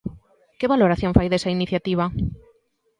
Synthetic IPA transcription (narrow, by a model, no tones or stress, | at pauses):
keβaloɾaθjõɱfajðesɐiniθjat̪iβ̞ɐ